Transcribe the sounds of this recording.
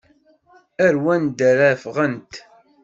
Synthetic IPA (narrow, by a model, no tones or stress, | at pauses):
æɾwænd̪æɾæfʁənt̪